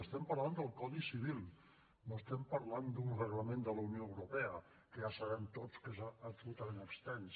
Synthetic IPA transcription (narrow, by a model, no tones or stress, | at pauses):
əst̪ɛmpəɾland̪əlˠkɔðisiβ̞ilˠ | noəst̪ɛmpəɾland̪unrəɣləmẽnd̪ələunioəwɾopɛə | kəʒasəβɛmt̪ot͡skəsːpsulut̪əmẽnəkst̪ɛns